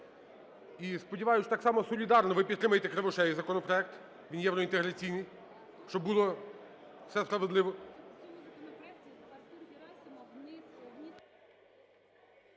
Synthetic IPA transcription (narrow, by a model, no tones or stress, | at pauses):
ispɔdʲiʋɑjʊt͡ʃt̪ɑksɑmɔsɔlʲid̪ɑrnɔʋɪpʲid̪t̪ɾɪmɐjet̪ɛkɾeʋɪʃɛzɐkɔnɔpɾɔɛk̚t̪ | ʋʲinjɛwɾɔint̪eɦɾɐt͡sʲijnɪj | ʃt͡ʃɔbbulˠɔ̥ | sɛspɾɐʋed̪lˠɪʋɔ